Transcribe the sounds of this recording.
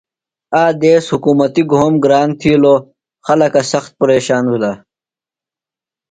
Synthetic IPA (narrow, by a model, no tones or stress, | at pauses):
aːd̪eːshukuːmɐt̪iɡʱoːmɡɾaːnt̪ʰiːloː | xɐlɐkɐsɐxt̪̚pɐɾeːɕaːnwula